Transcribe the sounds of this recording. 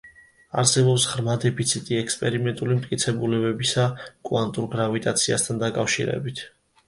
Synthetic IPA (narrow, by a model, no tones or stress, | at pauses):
a̰ɾsɛbɔpsʁɾmad̪ɛpʰit̪sʰit̪ʼiɛkspʼɛɾimɛnt̪ʼulimt̪ʼkʼit̪sʰɛbulɛbɛbisakʼwant̪ʼuɾɡɾavit̪ʼat̪sʰia̰st̪ʰand̪akʼafʃḭɾɛ̰bit̪ʰ